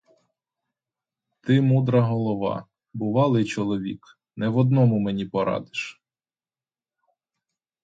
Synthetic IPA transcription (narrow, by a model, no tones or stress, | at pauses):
t̪ɪmud̪ɾɐɦɔlˠɔʋɑ̰ | bʊʋɑlˠɪjt͡ʃɔlˠɔʋʲḭk | nɛʋɔd̪nɔmʊmenʲipɔɾɑ̰d̪ɪʃ